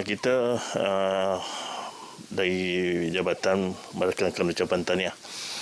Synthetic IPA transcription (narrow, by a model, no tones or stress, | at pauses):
kit̪əə | daɾid͡ʒabat̪an | məɾekaakanut͡ʃapant̪ania